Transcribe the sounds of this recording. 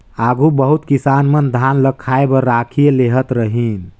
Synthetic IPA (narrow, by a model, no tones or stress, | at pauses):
aɡubəɦut̪kisanmənd̪ʱanləkʰːaebəɾakʰijeleɦət̪ɾəɦin